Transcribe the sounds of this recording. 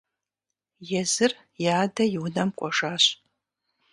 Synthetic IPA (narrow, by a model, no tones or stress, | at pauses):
jɛzɨr | jaːdɐjɪwnɐmkʷʼɔʒaːɕʼ